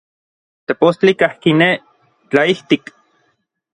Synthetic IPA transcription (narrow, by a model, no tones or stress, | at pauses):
t̪epost͡ɬikahkine | t͡ɬaiht̪ik